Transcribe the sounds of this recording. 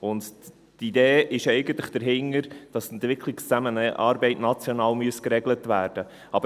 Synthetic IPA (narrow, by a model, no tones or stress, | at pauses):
ʊnd | tid̪eːɪʃɛɪɡən̩t̪ləχd̥əɾɦɪŋːəɾd̥ɑsɛnt̪ʋɪkʰlikst͡sæmənɑ̰ːɾbɛɪtnɑt͡sjɔnɑːlmyəskɾɛɡlətʋæːɾd̥ə | ɑbə